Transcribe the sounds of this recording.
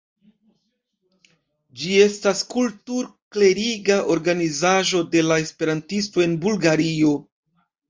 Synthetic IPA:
d͡ʒie̞staskultuɾkle̞ɾiɡaʔo̞ɾɡanizaʒo̞de̞lae̞spe̞ɾantisto̞e̞nbulɡaɾio̞

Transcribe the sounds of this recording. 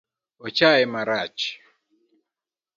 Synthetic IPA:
ɔt͡ʃaɛmaɾat͡ʃi̥

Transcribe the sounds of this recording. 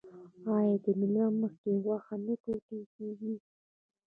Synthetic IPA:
ɑjɑd̪əmɪlɑməxkewaxanapoʈəlkeɡi

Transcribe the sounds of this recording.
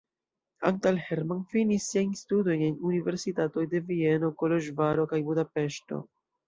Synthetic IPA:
a̰ŋtalhe̞ɾmanfinisːiajnstudo̞je̞nunive̞ɾsitato̞jde̞vie̞no̞kolo̞ʒvaɾo̞kajbudape̞ʃto̞̰

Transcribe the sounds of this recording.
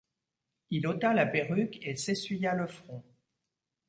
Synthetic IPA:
ilot̪alapeʁykesesɥijaləfχɔ̃

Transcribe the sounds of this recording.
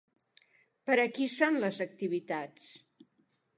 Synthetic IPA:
pəɾəkisonləzək̚t̪iβ̞it̪at͡s

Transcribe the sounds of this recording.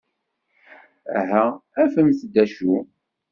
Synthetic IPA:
æ̰ɦææfəmθd̪ːæʃu

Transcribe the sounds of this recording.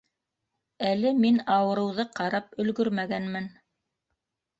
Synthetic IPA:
ælɘminɑwɤ̆ɾɤ̆wðɤqɑɾɑp̚ɵ̆lɡɵɾmæɡænmɘn

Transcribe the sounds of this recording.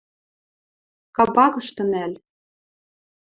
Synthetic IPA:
kɑbɑkɤ̆ʃt̪ɤ̆næl

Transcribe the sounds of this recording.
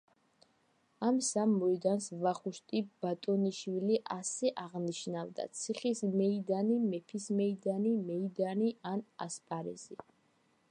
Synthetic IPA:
amsamːɔid̪ansvaχuʃt̪ʼib̥at̪ʼɔniʃwiliʔasɛʔaʁniʃnavd̪a̰t̪sʰiχismɛid̪animɛpʰismɛid̪animɛid̪aniana̰spʼaɾɛ̰zi

